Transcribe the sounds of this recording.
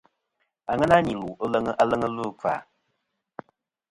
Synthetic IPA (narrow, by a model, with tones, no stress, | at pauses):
a˨ŋɛ˦na˦ɲi˨lu˨˦lə˦ŋə˦ʔa˦lə˦ŋə˦lu˦˨ka̰˨